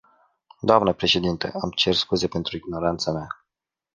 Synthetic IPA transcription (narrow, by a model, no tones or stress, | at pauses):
d̪oamnəpɾe̞ʃe̞d̪int̪ḛʔamt͡ʃerskuze̞pe̞nt̪ɾuiɡno̞ɾant̪samea